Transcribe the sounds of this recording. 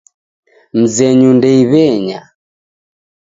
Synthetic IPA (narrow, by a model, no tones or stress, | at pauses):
m̩zɛɲundɛiβɛɲa